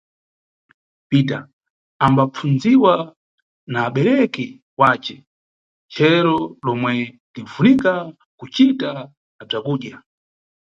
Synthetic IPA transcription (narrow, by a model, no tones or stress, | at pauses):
pita | ambap͡funziwa | naːɓɛɾɛkɛ | waːt͡ʃɛ | t͡ʃɛɾɔlɔmwɛndivunika | kut͡ʃita | b͡ʐakuːɗja